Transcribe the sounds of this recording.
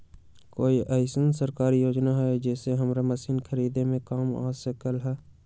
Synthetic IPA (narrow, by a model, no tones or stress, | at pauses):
koːiʔɐɪsənsəɾkaːɾijoːd͡ʒnaɦɛd͡ʒɛːseɦɐmɾamɐsiːnkʰəɾiːd̪ẽmẽkaːma̰ːsəkəlɦɛː